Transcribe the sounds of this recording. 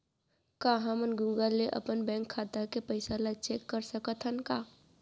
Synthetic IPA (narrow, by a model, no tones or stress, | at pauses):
kaɦãmənɡuːɡəlːeʔə̰pənbɛ̃ːŋkʰːaːt̪akepəɪsalat͡ʃeːkːəɾsəkət̪ʰɦənkaː